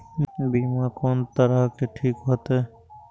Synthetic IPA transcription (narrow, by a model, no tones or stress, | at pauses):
biːmakoːnt̪əɾaɦkeʈʰiːkɦot̪eː